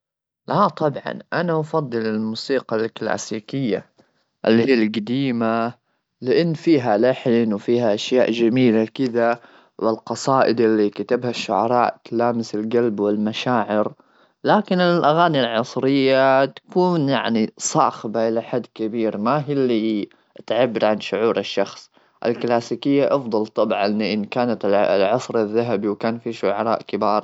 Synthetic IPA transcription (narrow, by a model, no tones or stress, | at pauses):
lat̪ˤɑbʕɑ̰nʔanaʔɑfɑd̪ˤːɨlɪlmuːsiːqɑlkla̰ːsiːkɪjːa̰ | ʔɪlːhiːalɡad̪iːma | lɪʔɪnːfiːɦalaħnwfiːhaʔaʃjaːʔd͡ʒamiːlakɪd̪a | wɪlqɑsˤɑːʔɪd̪ʔɪlːikat̪abhaʃːʊʕɑ̰ɾˤɑːʔt̪laːmɪsɪlɡalbwɪlmaʃaːʕɪɾ | laːkɪnɪlʔaɣaːnilʕɑsˤɾɪjːat̪ḁkuːnja̰ʕnisˤɑ̰ːxbaʔɪlaħad̪ːkɪbiːɾmaɦilːi | t̪ʕabːɪɾʕanʃʊʕuːɾɪʃːɑxsˤ | ʔɪ̰lklaːsiːkɪjːaʔɑfd̪ˤɑlt̪ˤɑbʕʔɪnːʔɪnkaːnat̪lʕɑsˤɾɪðːaɦabiwkaːnfiːʃʊʕɑɾˤɑ̰ːʔkɪbɑːɾˤ